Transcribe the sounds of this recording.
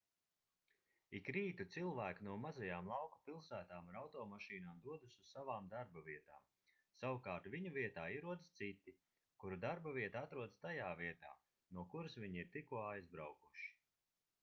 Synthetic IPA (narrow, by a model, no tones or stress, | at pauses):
ikɾiːt̪ut̪silˠvæːkinuɔmazajaːmlˠawku̥pilˠsæːt̪aːmuɾawt̪ɔːmaʃiːnaːmd̪uɔd̪usʲuzsavaːmd̪aɾbaviɛt̪a̰ːm | sawukaːɾt̪viɲuviɛt̪aːiɾuɔd̪st̪sit̪i | kuɾud̪aɾbaviɛt̪at̪ɾuɔd̪st̪ajaːviɛt̪a̰ː | nuɔkuɾasviɲiɾt̪ikuɔajzbɾawkuʃi̥